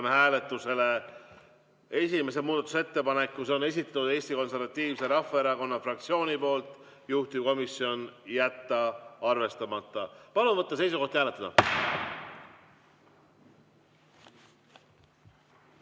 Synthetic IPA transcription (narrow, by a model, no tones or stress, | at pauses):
mehæːle̞t̪ːˑuse̞le̞ | e̞sime̞semuːd̪̥ɑt̪use̞t̪ːe̞pɑne̞kːuso̞ne̞s̬it̪ːˑɑt̪ud̪e̞ːsʲt̪iko̞nse̞rvɑt̪ːˑiːvse̞ɾɑfːɑe̞ɾɑko̞nːɑfrɑk̚t̪sio̞ːnʲipo̞ːlt̪ˑ | juht̪iko̞misio̞njæt̪ːɑɑrve̞st̪ɑmɑt̪ˑːɑpɑlumvɤt̪ːˑɑs̬e̞jsuko̞ht̪hæːlet̪ːˑɑd̪̥ɑ̰